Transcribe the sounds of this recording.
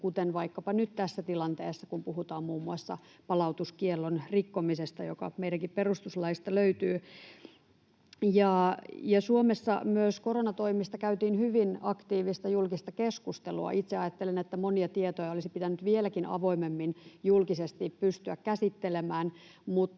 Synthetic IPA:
kut̪enʋɑikːɑpɑnyt̪t̪æsːæt̪ilɑnt̪eːsːɑkumpuhut̪ɑːmmuːmːuɑsːɑ̰ | pɑlɑut̪uskielːonrikːomisest̪ɑjokɑ̰meiɾæŋkipperust̪uslɑist̪ɑløyt̪yː | jɑːjɑsuomesːɑ̰myøskoronɑt̪oimist̪ɑkæyt̪iːnhyʋinɑkt̪iːʋist̪ɑjulkist̪ɑkeskust̪elṵɑ̰ʔit̪seɑjɑt̪ːelenet̪ːæmoniɑt̪iet̪ojɑolisipit̪ænyt̪ʋielækinɑ̰ʋo̞imemːinjulkisest̪ippyst̪yækkæsit̪ːelemæːnmut̪

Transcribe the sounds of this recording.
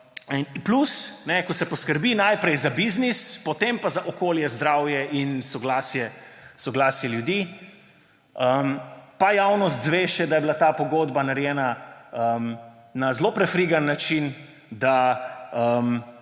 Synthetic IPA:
nplusnɛkɔsɛpɔskəɾbinajpɾɛjzabiznispɔt̪empazaʔɔkoːljɛzd̪ɾawjɛʔinsɔɡlaːsjɛsɔɡlaːsjɛljud̪i | əmpajawnɔst̪zʋeːʃɛd̪ajɛbilat̪aːpɔɡoːd̪banaɾjɛːnaəm | nazlopɾɛfɾiɡanːat͡ʃin | d̪aəm

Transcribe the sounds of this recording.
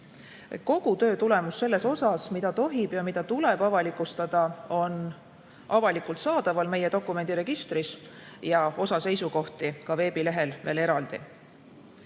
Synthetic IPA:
ko̞ɡ̥ut̪øːt̪ule̞musːe̞lːe̞so̞sɑsmid̪̥ɑt̪o̞ɦib̥jɑmid̪̥ɑt̪ule̞b̥ɑvɑlikːˑust̪ɑd̪̥ɑo̞n | ɑvɑlikˑult̪sɑːd̪̥ɑvɑlme̞jed̪o̞kːˑume̞nd̪̥iɾe̞ɡ̥ist̪ɾis | jɑo̞sɑse̞jsuko̞ht̪ikɑve̞ːb̥ile̞ɦe̞lve̞ːle̞ɾɑld̪̥ḭ

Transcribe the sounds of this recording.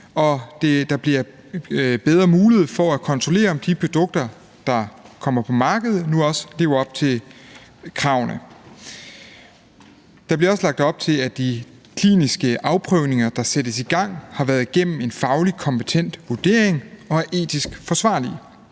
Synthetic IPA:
ɒ̽d̥ed̥ɑ̈b̥liɐ | b̥eð̞ˠʁɐmuːleð̞̩ˠfɒ̽ækʰɒ̽nt͡sʰʁo̝le̝̰ːɐɒ̽md̥ipʰʁo̝d̥ɔ̽ɡ̥̚d̥ɐ | d̥ɑ̈kʰɒ̽m̰ɐpʰɒ̽mɑ̈ːɡ̥əð̞̩ˠnuɒ̽sle̝ːʊɐɒ̽b̥̚t͡sʰe̝l | kʰʁɑ̈ʊnə | d̥ɑ̈b̥liɐɒ̽slɑ̈ɡ̥̚d̥ɒ̽b̥̚t͡sʰe̝læd̥i | kʰlḭːnisɡ̥əʔɑ̈ʊpʰʁœʊne̝ŋɐd̥ɑ̈sed̥əsiɡ̥ɑ̈ŋ̰hɑ̈ʋæːɐðˠɡ̥en̰m̩e̝nfɑ̈ʊlikʰɒ̽mpet͡sʰen̰d̥ʋuɐd̥e̝ɐe̝ŋɒ̽æɐʔe̝̰ːd̥isɡ̥fɒ̽sʋɑ̰̈ːli

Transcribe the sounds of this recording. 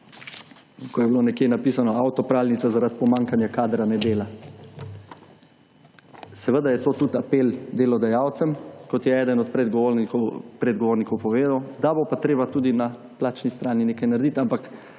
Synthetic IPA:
kɔjɛbloːnɛkjenapiːsanɔawt̪ɔpɾaːwlnit̪sazaɾat̪̚pɔmaŋkanjakaːd̪ɾanɛd̪eːla | sɛʋəd̪ajɛt̪oːt̪ut̪apeːld̪elɔd̪ajaːwt̪sɛmkɔt̪jɛɛːd̪ənɔt̪̚pɾɛd̪ɡɔoɾnikɔpɾɛd̪ɡɔʋoːɾnikɔwpɔʋeːd̪awd̪abopat̪ɾeːbat̪ud̪ina | plaːt͡ʃnist̪ɾaːnineːkajnaɾd̪it̪ampak

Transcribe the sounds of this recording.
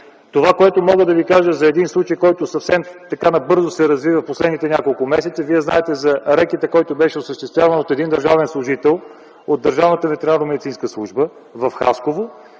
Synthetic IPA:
t̪ovakoɛt̪omɔɡəd̪ɐvikaʒəzɐɛd̪inslˠut͡ʃəjkɔjt̪ʊsɐfsɛmt̪ɐkanɐbɤɾzosɛɾɐzvivəfposlɛd̪nit̪ɛnʲakolˠkʊmɛsɛt̪səviɛznaɛt̪ɛzɐɾɛkit̪əkɔjt̪obɛʃɛosəʃt̪ɛst̪vʲjavənot̪ɛd̪ind̪ɐəɾʒavɛnslˠʊʒit̪ɛlˠ | od̪ɐɾʒavnət̪əvɛt̪ɛɾalnomɛd̪it̪sinskəslˠuʒbə | vɐfxa̰skovo

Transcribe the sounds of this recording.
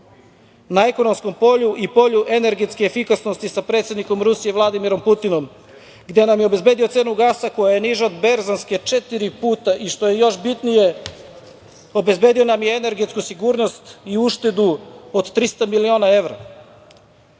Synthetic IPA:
nae̞konomsko̞mpo̞ʎuʔipo̞ʎuʔene̞ɾɡet̪skeːfikasno̞st̪isapɾet̪se̞d̪niko̞mɾusije̞vlˠad̪imiɾo̞mput̪ino̞m | ɡd̪e̞namjeo̞be̞zbe̞ːd̪iose̞ːnuɡaːsako̞jaje̞niʒaod̪beɾzanske̞t͡ʃet̪iɾipuːt̪aʔiʃt̪o̞je̞jo̞ʃbit̪nije̞ | o̞be̞zbe̞ːd̪io̞namjeːne̞ɾɡe̞t̪skusiɡuːɾno̞st̪iuʃt̪e̞d̪uod̪t̪ɾist̪amilio̞ːnae̞ʋɾa̰

